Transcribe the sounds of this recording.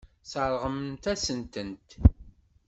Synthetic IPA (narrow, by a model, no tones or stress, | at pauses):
səɾˤʁəmt̪æsənt̪ənt̪